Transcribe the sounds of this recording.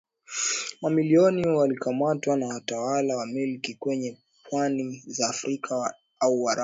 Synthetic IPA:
mamiliɔniwalikamatwanawatawalawamilkikwɛɲɛ | pwanizaːfɾikʰa | auwaɾa

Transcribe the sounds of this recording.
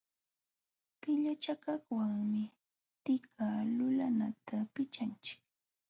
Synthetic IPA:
pɪʎat͡ʃakaχwaŋmɪ | t̪ɪkʰaːlʊlanat̪apɪt͡ʃant͡ʃɪ̥k

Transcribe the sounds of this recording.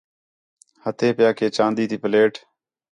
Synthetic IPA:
hət̪ʰeːpɪjaːkʰeːt͡ʃãːnd̪iːt̪ʰiːpəleːʈ

